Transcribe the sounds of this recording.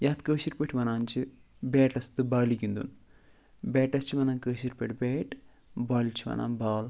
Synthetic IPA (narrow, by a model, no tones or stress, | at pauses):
jaːt̪kəːʃiɾpeʈʰmɐnaːnt͡ʃɨbeːʈɐst̪ɨbaːlikʲːund̪ṵnɨ | beːʈːɐt͡ʃːɨmɐnaːnkəːʃiɾpeʈbeːʈ | baːlit͡ʃːiʋɐ̰na̰ːmbaːl